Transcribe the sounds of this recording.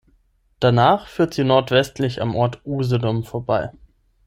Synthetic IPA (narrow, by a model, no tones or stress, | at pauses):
d̥anaːχfyːɐtz̥iːnɔɐtv̥ɛstʰlɪça̰mʔɔɐtʔuːzədɔmfoɐbaɪ